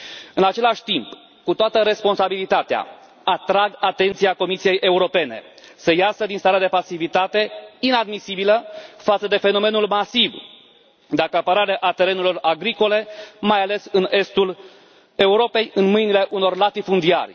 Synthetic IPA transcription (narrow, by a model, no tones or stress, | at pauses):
ɨnat͡ʃe̞laʃʲt̪imp | kut̪oat̪əɾe̞spo̞nsabilit̪at̪ea̰ | at̪ɾaɡat̪e̞nt̪siako̞misije̞jʔe̞uɾo̞pe̞ne̞̰səjasəd̪inst̪aɾad̪e̞pasivit̪at̪e̞inad̪misibiləfat̪səd̪e̞fe̞no̞me̞nulmasiv | d̪akəapəɾaɾeʔat̪e̞ɾe̞nulo̞raɡɾiko̞le̞majale̞sɨne̞st̪ul | e̞uɾo̞pe̞jɨnmɨjnile̞ʔuno̞rlat̪ifund̪ia̰rʲ